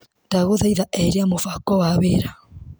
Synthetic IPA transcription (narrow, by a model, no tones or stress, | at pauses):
daɣoðajðaʔɛɾiamofakɔβaβeɾa